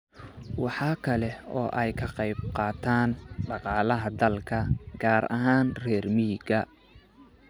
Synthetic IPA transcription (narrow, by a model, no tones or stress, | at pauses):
wɑħɑːkʰɐlɛɔ̰ːʔɛjkʰɐqɑjb̚qɑːt̪ʰaːnɖɑqɑːlɐɦɐd̪ɐlkʰɐɡ̥aːɾɐɦaːnrɛːrmiːɡɐ